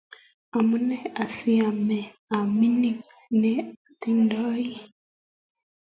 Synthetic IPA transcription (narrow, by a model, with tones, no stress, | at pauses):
a˨mu˦nɛ˦a˨si˦a˨mɛ˨ | a˨mi˦ni˦nɛ˦a˨ti˦ndɔ˦i˦